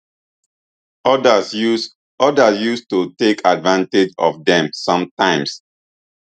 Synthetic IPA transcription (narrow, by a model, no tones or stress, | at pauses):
ɔdas | ɔdasjustutekʰadvãnted͡ʒɔ̰fdɛ̃msʌ̃mtãɪ̃ms